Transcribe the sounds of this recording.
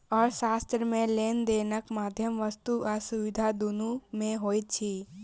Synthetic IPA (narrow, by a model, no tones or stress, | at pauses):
ɔːɾʃaːst̪ɾəmẽleːnd̪eːnəkmaːd̪ʱjəmʋəst̪uʔasʊʋɪd̪ʱad̪unũmẽɦoːit͡ʃʰi